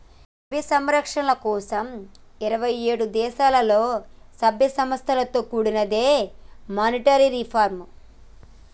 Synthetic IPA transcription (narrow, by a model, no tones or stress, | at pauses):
ʋisɐmɾɐkʂɐnɐlɐkɔːsɐm | iɾɐʋɐjeːɽud̪ɛːʃaːlɐlo̞ːsɐbʱjɐsɐmɐst̪ʰɐlɐt̪o̞ːkuːɽinɐd̪eːmaːniʈɐɾiɾipʰaːɾm